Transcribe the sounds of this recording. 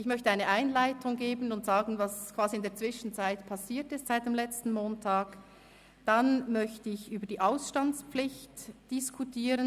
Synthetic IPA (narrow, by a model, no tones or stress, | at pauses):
ʔɪçmœçtəaɪnəʔaɪnlaɪtʰʊŋɡeːbən̩ʊntz̥aːɡn̩vɑskv̥aːziɪndeːɐt͡sv̥ɪʃn̩t͡saɪtpʰɑsiːtɪstz̥aɪt̚d̥eːmlɛt͡stn̩moːntʰaːk | d̥anmœçtəɪçʔyːbəɐd̥iːʔaʊsʃtant͡spp͡flɪçtd̥ɪskʰutʰiːʁən